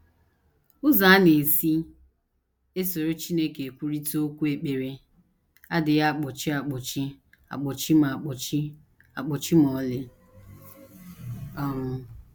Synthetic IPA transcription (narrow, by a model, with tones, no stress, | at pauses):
ʊ˦za˨a˦ne˨si˦ | e˦so˨ɾo˦t͡ʃi˦ne˦ke˨kʷu˦ɾi˦to˦kʷu˦e˨k͡pe˨ɾe˦ | a˦dɪ˨ja˦˨k͡pɔ˨t͡ʃi˦a˨k͡pɔ˨t͡ʃi˦ | a̰˨k͡pɔ˨t͡ʃi˦m˨a˨k͡pɔ˨t͡ʃi˦ | a˨k͡pɔ˨t͡ʃi˦m˨ɔ˨˦lɪ˦ | ɔ˦ɾʊ˨